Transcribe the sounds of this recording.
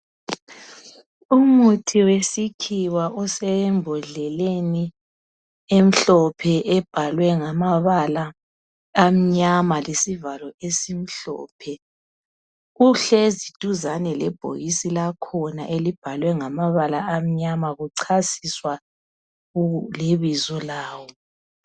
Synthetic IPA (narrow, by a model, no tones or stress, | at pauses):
umutʰiwesikʰiwaʔɔsɛmbʱɔɮɛleni | em̩ɬɔpʰɛʔɛb̥ʱalwɛŋamaβalaː | m̩ɲamalesivalɔesim̩ɬɔ̰ːpʰɛ | uɬɛzid̥ʱuzanɛlɛ̰b̥ʱo̰jisilakʰɔna̰ʔelib̥ʱalwɛŋamaβalaam̩ɲamaɣuǀʰasiswa | leβizɔlaːwɔ